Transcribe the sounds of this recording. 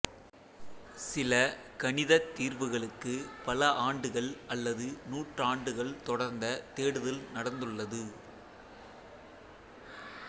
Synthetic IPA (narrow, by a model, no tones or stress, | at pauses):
sɪlɐkɐɳɪðɐt̪ːiːɾʋɯɣɐɭɯkːɯpɐlɐʔaːɳɖɯɣɐɭɐlːɐðɯnuːʈraːɳɖɯɣɐɭt̪ɔɽɐɾnd̪ɐt̪eːɽɯðɐlnɐɽɐnd̪ɯɭːɐðɯ